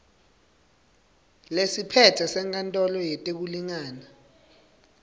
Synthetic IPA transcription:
lesipʰɛtʰɛsɛŋkʰʼantʼɔlɔjɛtʼek̬uliŋaːna

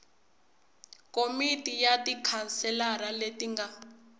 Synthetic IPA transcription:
komitʼijatikʰansɛlaɾaletiŋɡa

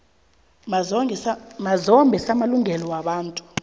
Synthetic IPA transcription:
mazɔmbʱɛsamaluŋʱɛlɔwaɓaːntʼu̥

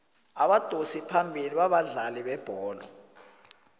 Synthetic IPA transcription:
aɓad̥ʱosipʰambʱiliɓaɓaɮaliɓɛb̥ʱɔːlɔ̰

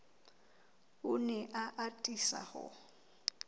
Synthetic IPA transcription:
ʊnɛʔaʔatʼisa̰hɔ̰

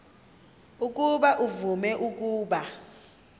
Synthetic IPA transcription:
uk̬ʼuɓaʔuvumɛʔuk̬ʼuːɓa

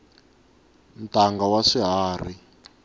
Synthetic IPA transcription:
ntaŋɡawaʂiɦaːr̤i

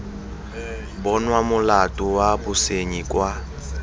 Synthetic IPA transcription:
bɔnwamʊlatʼʊwabʊseɲikʼwa

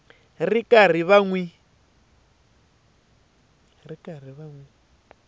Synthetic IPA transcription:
rikʼar̤iβaŋwi | rikar̤iβaŋwi

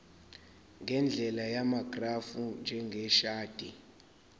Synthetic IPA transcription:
ŋɡʱɛnd͡ɮʱɛlajamaɡ̥ʱrafund͡ʒʱɛŋɡʱɛʃaːd̥ʱi

